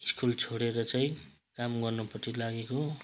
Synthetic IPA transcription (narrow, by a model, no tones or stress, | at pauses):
iskult͡sʰoɽeɾʌt͡saĩ | kamɡʌrnupʌtʰilaɡeko